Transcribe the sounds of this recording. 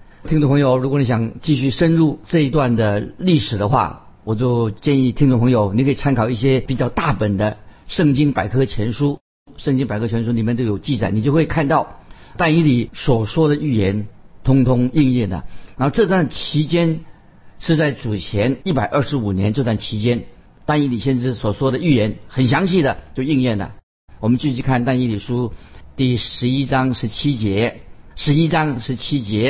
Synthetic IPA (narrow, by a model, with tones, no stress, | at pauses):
i˥ŋʈ͡ʂʊ˥˧˩pʰŋjo˨˩ʊɻu˧˥kɔ˨˩ni˧˥ɕjɑ˨˩ŋt͡ɕi˥˧ɕy˥˩ʂə˥nɻu˥˧ʈ͡ʂɤ˥˧i˧˥t̪wa˥˩nd̪ə˩li˥˩ʂɻ̩˨˩d̪ə˦xwa̰˥˩ | wɔ˨˩t͡ɕjo˥˧ʊt͡ɕjɛ˥˧ni˥˩t̪ʰi˥ŋʈ͡ʂpʰɤ˧˥ŋjo˨˧˦ʊni˧˥kʰɤ˧˥i˨˩t͡sʰa˥nkʰɑ˨˩ʊi˥˩ɕ̬jɛ˥pi˨˩t͡ɕjɑ˥˧ʊt̪a˥˩pə˨˩nd̪ə˦ʂɤ˥˩ŋt͡ɕi˥ŋpa˨˩ɪkʰɤ˥t͡ɕʰjɛ˧˥nʂu˥ | ʂɤ˥˧ŋt͡ɕi˥ŋpa˨˩ɪkʰɤ˥t͡ɕʰɥɛ˧˥nʂ̬u˥li˨˩mjɛ˥˩nt̪o˥˩jo˨˩ʊt͡ɕi˥˧˩t͡sa˨˩ɪni˨˩t͡ɕjo˥˧ʊxwe˥˧ɪkʰa˥˧nt̪ɑ˥˩ʊ | t̪a˥˧ni˥li˨˩swɔ˨˩ʂwɔ˥d̪ə˨y˥˩jɛ˧˥nt̪ʰʊ˥ŋt̪ʰʊ˥ŋi˥˧ŋjɛ˥˩nd̪ə̰˩n˧˥m˥˧ʈ͡ʂɤ˥˧t̪wa˥˩nt͡ɕʰi˧˥t͡ɕjɛ˥n | ʂɻ̩˥˧t͡sa˥˩ɪʈ͡ʂu˨˩t͡ɕʰjɛ˧˥ni˥˩pa˨˩ɪʔə˞˥˩ʂɻ̩˧˥u˨˩njɛ˧˥nʈ͡ʂɤ˥˧t̪wa˥˩nt͡ɕʰi˧˥t͡ɕjɛ˥n | t̪a˥˧ni˥˩li˨˩ɕjɛ˥˧nʈ͡ʂɻ̩˥˩swɔ˨˩ʂwɔ˥d̪ə˨y˥˩jɛ˧˥nxə˨˩nɕ̬jɑ˧˥ŋɕi˥˩d̪ə˩t͡ɕjo˥˧ʊi˥˧ŋjɛ˥˩nə̰˩ | wɔ˨˩mə˦nt͡ɕy˥˧t͡ɕʰy˥˧kʰa˥˧nt̪a˥˧ni˥˩li˨˩ʂu˥t̪i˥˩ʂɻ̩˧˥i˥ʈ͡ʂɑ˥ŋʂɻ̩˧˥t͡ɕʰi˥t͡ɕjɛ˧˥ʂɻ̩˧˥i˥ʈ͡ʂɑ˥ŋʂɻ̩˧˥t͡ɕʰi˥t͡ɕjɛ˧˥